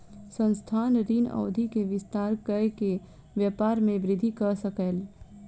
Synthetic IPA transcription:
sə̃nst̪ʰaːnɾiːnɔ̰ːd̪ʱikeʋɪst̪aːɾkəke | ʋjəpaːɾmẽʋɾɪd̪ʱikəsəkəl

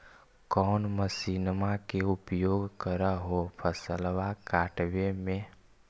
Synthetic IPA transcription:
kɔːnməsiːnmakeʊpjoːɡkəɾaɦopʰəsəlʋakaːʈʋemẽ

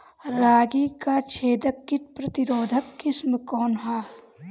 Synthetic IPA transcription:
ɾaːɡikat͡ʃʰeːd̪əkːɪʈ̪̚pɾɐt̪ɪɾoːd̪ʱəkːɪsməkɔːnɦaː

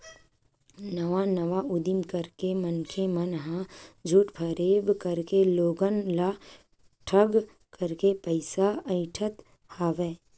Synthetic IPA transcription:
nəʋanəʋaʊd̪ɪmkəɾkemənkʰemənɦãd͡ʒʱuːʈpʰəɾeːbkəɾkeloːɡənla | ʈʰəɡ | kəɾkepəɪsaəɪʈʰət̪ | haːʋeː

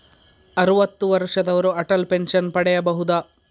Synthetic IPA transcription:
ɐɾuʋɐt̪ːuʋɐɾʂɐd̪ɐʋɐɾuɐʈɐlpenʂɐnpɐɽɛjɐbɐɦud̪aː

